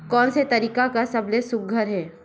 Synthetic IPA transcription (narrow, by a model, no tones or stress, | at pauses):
kɔːnset̪ɐɾiːkakasɐblesʊk̚ɡʱəɾɦɛː